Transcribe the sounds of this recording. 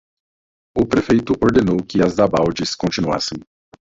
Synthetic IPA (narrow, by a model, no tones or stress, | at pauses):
ʊpɾefejt̪ʊʔoɾd̪enowkɪɐzd̪abawd͡ʒɪskõnt͡ʃinua̰sẽj̃